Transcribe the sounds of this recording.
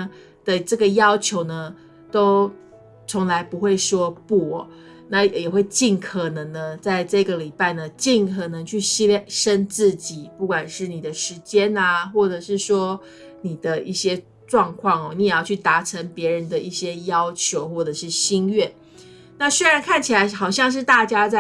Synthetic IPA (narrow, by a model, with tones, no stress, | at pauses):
d̪̥ə˨ʈ͡ʂɤ˥˩ɡə˩jɑ˥ʊt͡ɕʰjo˧˥ʊnə˧ | t̪o˥ʊ | t͡sʰo˧˥ŋla˧˥ɪpu˧˥xwe˥˩ɪʂwɔ˥pu˥˩ɔ˨˩ | na˥˩jjɛ˨˩xwe˥˧ɪt͡ɕi˥˩nkʰɤ˨˩nɤ˧˥ŋnə˧t͡sa˥˧ɪʈ͡ʂɤ˥˩ɡə˩li˨˩pa˥˩ɪnə˩t͡ɕi˥˩nkʰɤ˨˩nɤ˧˦ŋt͡ɕʰy˥˩ɕi˥˩ʂə˥nt͡sɹ̩˥˩t͡ɕi˨˩pu˥˩kwa˨˩nʂɻ̩˥˩ni˨˩d̪ə˦ʂɻ̩˧˥t͡ɕjɛ˥na˧xwɔ˥˩ʈ͡ʂɤ˨˩ʂɻ̩˥˩ʂwɔ˥ | ni˨˩d̪ə˦i˥˩ɕjɛ˥ | ʈ͡ʂwɑ˥˧ŋkʰwɑ˥˩ŋɔ˩ni˧˥jɛ˨˩jɑ˥˧ʊt͡ɕʰy˥˩t̪a˧˥ʈ͡ʂʰə˧˥ŋpjɛ˧˥ɻə˧˦nd̪ə˧i˥˩ɕjɛ˥jɑ˥ʊt͡ɕʰjo˧˥ʊxwɔ˥˩ʈ͡ʂɤ˨˩ʂɻ̩˥˩ɕi˥nɥɛ˥˩ | na˥˧swe˥ɪɻa˧˥nkʰa˥˩nt͡ɕʰi˨˩a˨˧˥ɪxɑ˨˩ʊɕjɑ˥˧ŋʂ̬ɻ̩˥˧t̪a˥˩t͡ɕja˥t͡sa˥˩